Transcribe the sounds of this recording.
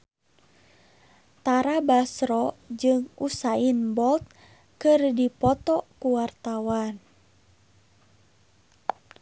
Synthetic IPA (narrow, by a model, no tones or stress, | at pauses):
t̪aɾabasɾɔd͡ʒɨŋusainbɔlt̪̚ | kɨrdipɔt̪ɔkuwart̪awan